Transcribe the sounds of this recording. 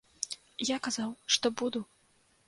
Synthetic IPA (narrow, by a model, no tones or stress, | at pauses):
jakazawʂt̪ɔbud̪u